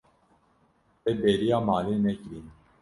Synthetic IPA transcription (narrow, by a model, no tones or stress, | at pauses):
eːbeːɾijaːmaːleːnɛkɾin